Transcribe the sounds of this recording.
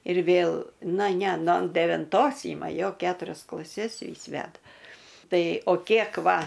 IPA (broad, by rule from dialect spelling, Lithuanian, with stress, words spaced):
ɪr ˈʋʲeːlˠ ˈnɐ ˈnʲɛ noː dʲɛʋʲɪnˈtoːs ˈiːmɐ ˈjoː ˈkʲæːtʊrʲɛs klˠɐˈsʲɛs ˈʋʲiːs ˈʋʲæːdɐ ˈtɐɪ oː ˈkʲiɛk ˈʋɐ